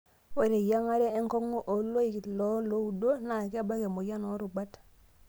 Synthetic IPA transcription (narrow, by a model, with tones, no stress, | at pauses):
we˨ɾe˨ja˦ŋa˦ɾe˦e˦ŋko˦ŋu˦ʔo˨lo˦i˨ki˨tlo˦lo˦u˦do˦na˨ki˦a˦ba˦ke˨mo˨ja˦no˨˦ɾu˨ba˦t